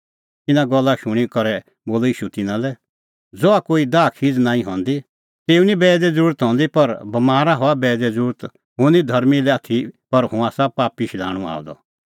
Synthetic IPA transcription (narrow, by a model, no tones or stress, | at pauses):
t̪ɪnãɡɔlːaʃʊɽ̃ikɔɾɛ | boːlɔiːʃut̪ɪnãlɛ | d͡zɔakoːid̪aːkʰiːd͡znãːĩɦɔ̃ːnd̪i | t̪eːũnibɛːd̪ɛd͡zəɾuːɾt̪ɦɔ̃ːnd̪ipɐɾbɐmaːɾaɦɔabɛːd̪ɛd͡zəɾuːɾt̪ | ɦʊ̃nid̪ʱɐɾmilɛaːt̪ʰipɐɾɦũaːsapaːpiʃla̰ːɽ̃ua̰ːd̪ɔ̰